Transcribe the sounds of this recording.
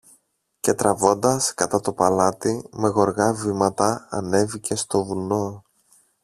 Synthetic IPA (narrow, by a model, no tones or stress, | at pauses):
ce̞t̪ɾɐvo̞nd̪ɐskɐt̪ɐt̪o̞pɐlɐt̪ime̞ɣo̞ɾɣɐvimɐt̪ɐ̰ːne̞vice̞st̪o̞vulno̞